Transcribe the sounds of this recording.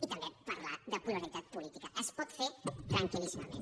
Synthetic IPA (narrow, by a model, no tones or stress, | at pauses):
it̪amepaɾlad̪apulaɾit̪at̪̚polit̪ikaʔespot̪fet̪ɾaŋkilismamḛn